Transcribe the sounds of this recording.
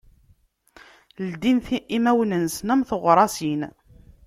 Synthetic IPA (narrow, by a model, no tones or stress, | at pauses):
ld̪inθimæwnənsnæmθəʁɾˤɑsin